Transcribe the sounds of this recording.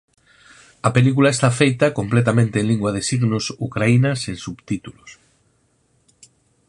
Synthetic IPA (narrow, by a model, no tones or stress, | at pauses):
ɐpelikulaest̪afejt̪ɐkomplet̪̬amẽnt̪eːnliŋɡwɐðesiɣnʊsukɾainɐseŋsuβt̪it̪ulos